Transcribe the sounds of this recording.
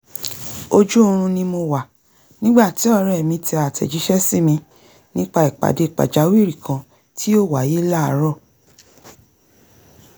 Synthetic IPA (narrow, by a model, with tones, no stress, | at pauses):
o˧d͡ʒu˦õ˧ɾ̃ũ˧nĩ˧mo˧wa˨ | nĩ˦ɡ͡ba˦˨ti˨˦ɔ˦˧ɾɛ˦˨mĩ˧ti˧a˨tʰɛ̰˨d͡ʒi˨˦ʃɛ˦si˦mĩ˧ | nĩ˦k͡pa˧i˨k͡pa̰˨de˨˦i˨k͡pa̰˨d͡ʒa˨˦wi˦˨ɾi˨kã˧ | tʰi˦o˦˨wa˨je˦la˦a˧˦ɾɔ˦˨